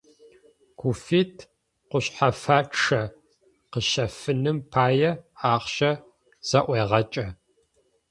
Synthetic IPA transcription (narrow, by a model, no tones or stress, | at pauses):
kʰʷufiːtʰ | qʷʊɕħafaːʈ͡ʂɐ | qəɕɐfɨnɨmpʰaːjɛaːχɕɐ | z̥ɐʔʷeːʁɐt͡ʃʼɐ